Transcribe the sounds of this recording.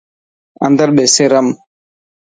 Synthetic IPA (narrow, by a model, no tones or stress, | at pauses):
a̰nd̪aɾɓɛseɾam